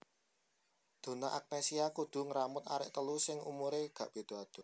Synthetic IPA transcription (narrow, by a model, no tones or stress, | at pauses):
d̪̥o̤naʔak̚nesiakud̪̥ṳŋəɾamʊt̪aɾɪ̰ʔt̪əlusɪŋṵmuɾeɡ̥ä̤ʔb̥e̤d̪̥o̤ad̪̥o